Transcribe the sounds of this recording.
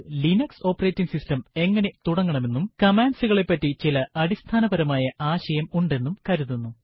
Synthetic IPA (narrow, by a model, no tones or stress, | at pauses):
linɐkso̞ːpːɐre̞ːtːiŋsistɐme̞ŋːɐne̞t̪uɽɐŋːɐɳɐme̞nːumkɐmaːnsuɣɐɭe̞pːɐtːit͡ɕilɐɐɾist̪ʰaːnɐbɐɾɐmaːjɐʔaːɕɐjɐmuɳɖe̞nːumkɐɾuðunːu